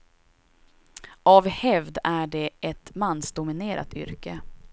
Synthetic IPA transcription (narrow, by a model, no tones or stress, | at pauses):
ʔavhɛvd̪æɖɛʔɛt̪manːsd̪ʊmɪneːɾʔa̰t̪ʏ̰ɾkə